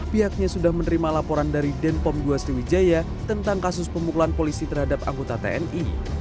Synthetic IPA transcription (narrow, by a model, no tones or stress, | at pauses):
b̥iɦak̚ɲasudahmənəɾimalapoɾandaɾidɛnpɔmduasɾiwid͡ʒaja | t̪ənt̪aŋkasʊspəmukulanpolisit̪ərɦadap̚a̰ŋɡot̪at̪ḛɛnḭ